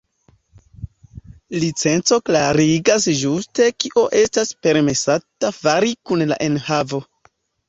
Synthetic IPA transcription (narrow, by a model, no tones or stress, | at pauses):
lit͡se̞nt͡so̞klaɾiɡasʒuste̞kiʔoʔe̞staspe̞ɾme̞satafaɾikunla̰ʔe̞nhavo̞